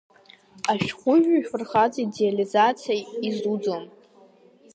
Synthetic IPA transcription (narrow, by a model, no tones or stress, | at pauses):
aʃᶣχʷʊʒᶣʷaifɨrχad͡zidealizat͡sʰijaizud͡zom